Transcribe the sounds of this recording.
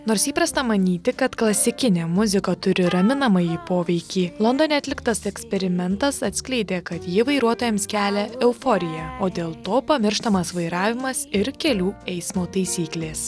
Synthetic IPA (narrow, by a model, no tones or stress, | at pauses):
noːɾsiːpɾɐst̪ɐmɐnʲiːt̪ʲɪkɐt̪klˠɐsʲɪkʲɪnʲeːmʊzʲɪkɐt̪ʊɾʲɪɾɐmʲɪnɐmɐjiːpoːʋʲɛɪkʲiːlˠɐnd̪oːnʲɛɐt̪ʲlʲɪkt̪ɐsɛksʲpʲɛɾʲɪmʲɛnt̪ɐsɐt̪ʲsʲklʲɛɪd̪ʲeːkɐt̪jɪʋɐɪɾuɔt̪oːjɛmskʲæːlʲɛɛʊfɔɾʲɪjɛoːd̪ʲeːlˠt̪oːpɐmʲɪɾʃt̪ɐmɐsʋɐɪɾɑːʋʲɪmɐsɪɾkʲɛlʲuːɛɪsmoːt̪ɐɪsʲiːklʲeːs